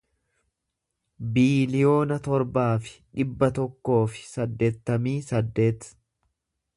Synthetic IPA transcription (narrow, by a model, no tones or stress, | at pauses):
biːlɪjo̞ːnɐt̪ɔɾbaːfɪ̥ᶑɪbːɐt̪ɔkːo̞ːfɪ̥sɐd̪ːe̞ːt̪ːɐmiːsɐd̪ːe̞ːt̪